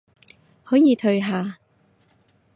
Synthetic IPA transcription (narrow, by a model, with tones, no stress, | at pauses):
hɔː˨˥jiː˨˧t̪ʰɵ˧ɥɦaː˨˩